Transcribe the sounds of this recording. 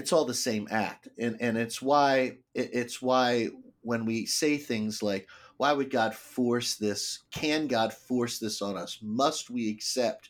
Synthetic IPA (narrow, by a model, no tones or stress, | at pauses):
ɨtsɔlˠðəsẽɪ̃mæ̰k̚tɨ̃nɨ̃nɨtswaɪɪʔɪtswaɪwə̃nwiseɪθɪ̃ŋzlaɪkwaɪwɨd̚ɡɑd̥fɔɹsðɪskʰɨ̃nɡɑd̥fɔɹsðɪsn̩ʌsmʌst̚wiɨksɛp̚t̚